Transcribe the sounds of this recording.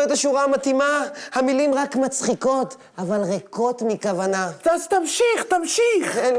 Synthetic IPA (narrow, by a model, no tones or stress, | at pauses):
ot̪aʃuʁamat̪imahamilimʁakmat͡sχiko̞t̪ | avalʁeko̞t̪mikavanat̪azt̪amʃiχt̪amʃiχen